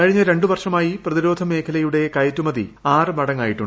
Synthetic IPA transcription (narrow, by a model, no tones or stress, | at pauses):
ɐɻiɲːɐɾe̞ɳɖɨʋɐrʂɐmaːjiprɐðiɾo̞ːd̪ʱɐme̞ːkʰɐlɐjuɽe̞kɐjtːumɐðḭaːrɨmɐɽɐŋːaːjiʈːuɳ